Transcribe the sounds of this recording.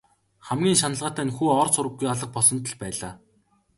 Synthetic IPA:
χæmɡʲiːŋʃanə̆ɮʁaːt̪æːnxuːɔrsʊɾə̆ɡːujaɮə̆q̚pɔsɞ̆nt̪ə̆ɮpæːɮaː

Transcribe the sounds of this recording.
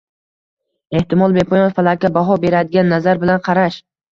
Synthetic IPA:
e̞ht̪ɪmɒlˠbe̞pʰojɒnfalˠakʲabaɦɒbe̞ɾad̪ɪɡʲanːazaɾbɪlanqʰɑɾaʃ

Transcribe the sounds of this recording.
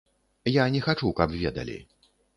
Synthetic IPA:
janʲɛxat͡ʂukɐpvʲɛd̪ɐ̰lʲḭ

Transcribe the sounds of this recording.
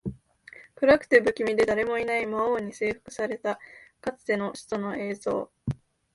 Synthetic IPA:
kɯ̟ɾakɯ̟̥t̪e̞bɯ̟kʲimʲid̪e̞d̪aɾe̞mo̞inaimaoːɲ̟ise̞ːɸɯ̟̥kɯ̟̥saɾe̞t̪akat͡sɨ̥t̪e̞no̞ɕi̥t̪ono̞e̞ːzo̞̰ː

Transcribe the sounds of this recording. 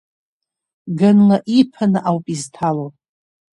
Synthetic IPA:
ɡanlaʔipʰanaʔawpʼiztʰalopʼ

